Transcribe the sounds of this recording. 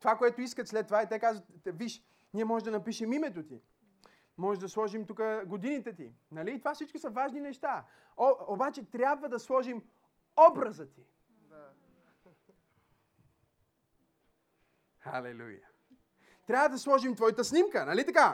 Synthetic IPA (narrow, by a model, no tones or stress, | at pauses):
t̪ovakoɛt̪oiskət̪slɛt̪ːovait̪ɛkazvət̪viʃ | niɛmɔʒɛʒd̪ɐnɐpiʃɛmimɛt̪ot̪i | mɔʒɛʒd̪ɐslˠɔʒimt̪ukəɡod̪init̪ɛt̪i | nɐliːt̪ovafsit͡ʃkosɐvaʒninɛʃt̪a | ɔobat͡ʃɛt̪ɾʲjabvəd̪ɐslˠɔʒim | ɔbɾɐzət̪i | xa̰lɛ̰lṵjə̰ | t̪ɾʲabvəd̪ɐslˠɔʒimt̪vɔjt̪əsnimkənɐlit̪ɐka